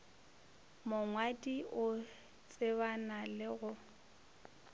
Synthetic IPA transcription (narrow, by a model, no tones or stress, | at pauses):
mʊŋwadʼiʔʊ | t͡sʼɪβanalɪɣʊ